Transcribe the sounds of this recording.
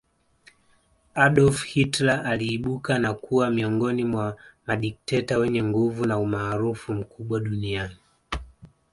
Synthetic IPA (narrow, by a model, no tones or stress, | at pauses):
aɗɔlfhitlaʔaliːɓukanakuwamiɔŋɡɔnimwamaɗik̚tɛtawɛɲɛŋɡuvunaumaːɾufum̩kʰuɓwaɗuniani